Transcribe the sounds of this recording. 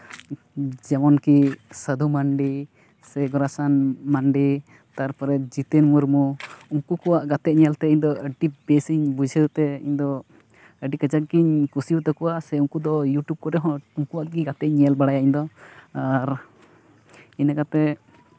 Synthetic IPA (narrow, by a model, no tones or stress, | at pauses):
d͡ʒɛmɔnkisəd̪ʱumaɳɖi | sɛɡɔɾasanmaɳɖi | t̪aɾpɔɾɛd͡ʒit̪ənmuɾmuuŋkukɔwaʔɡat̪ɛʔ̚ɲɛlt̪ɛiɲd̪ɔəɖibesiɲbud͡ʒʱət̪ɛḭɲd̪ɔ | əɖikəd͡ʒak̪̚ɡiɲkusiut̪ɛkɔwasɛuŋkud̪ɔjuʈjub̚kɔɾɛɦɔ̃uŋkuwaʔɡiɡat̪ɛʔ̚ɲɛlbaɽajaiɲd̪ɔaɾ | inakat̪ɛ